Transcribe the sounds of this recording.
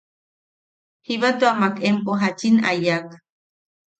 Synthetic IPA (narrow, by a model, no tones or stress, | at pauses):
hiβat̪uamakempoɦat͡ʃina̰jak